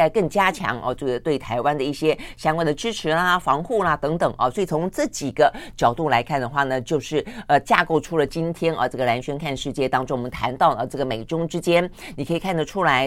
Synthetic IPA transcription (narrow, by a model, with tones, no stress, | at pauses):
a˧kɤ˥˩ŋt͡ɕja˥t͡ɕʰjɑ̰˧˥ŋʔɐ̰˧ʈ͡ʂɤ˥˩ɡə˩t̪we˥˩ɪt̪ʰa˧˥ɪwa˥nd̪ə˨i˥˩ɕjɛ˥ɕjɑ˥ŋkwa˥˩nd̪ə˩ʈ͡ʂɻ̩˥ʈ͡ʂʰɻ̩˧˥lɐ˧fɑ˧˥ŋxu˥˩lɐ˨˩t̪ɤ˧˥ŋt̪ɤ˨˩˦ŋʔɐ̰˧swɔ˧˥i˨˩t͡sʰʊ˧˥ŋʈ͡ʂɤ˥˩t͡ɕi˨˩ɡə˦t͡ɕjɑ˨˩ʊt̪u˥˩la˧˥ɪkʰa˥˩nd̪ə˩xwa˥˩nə˩t͡ɕjo˥˧ʊʂɻ̩˥˩ə˧t͡ɕja̰˥˧ko˥˩ʊʈ͡ʂʰu˥lə˨t͡ɕi˥nt̪ʰjɛ˥nʔɐ̰˧ʈ͡ʂɤ˥˩ɡə˩la˧˥nɕɥɛ˥nkʰa˥˧nʂɻ̩˥˧t͡ɕjɛ˥˩t̪ɑ˥ŋʈ͡ʂʊ˥ŋwmə˧˦nt̪ʰa̰˧˥nt̪ɑ˥˩ʊə˧˩ʈ͡ʂɤ˥˩ɡə˩me˨˩ɪʈ͡ʂʊ˥ŋʈ͡ʂɻ̩˥t͡ɕjɛ˥nni˨kʰɤ˧˥i˨˩kʰa˥˩nd̪ə˩ʈ͡ʂʰu˥la˧˥ɪ